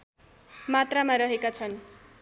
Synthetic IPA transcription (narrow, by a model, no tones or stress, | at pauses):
mat̪ramaɾʌɦekat͡sʰʌn